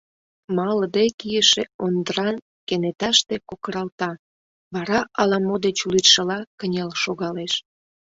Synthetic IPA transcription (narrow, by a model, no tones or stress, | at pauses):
mɑləd̪ekijəʃeond̪əɾɑn | kenet̪ɑʃt̪ekokəɾɑlt̪ɑ | βɑɾɑʔɑlɑmod̪et͡ɕulit̪ʃəlɑkənʲɑlʃoɣɑleʃ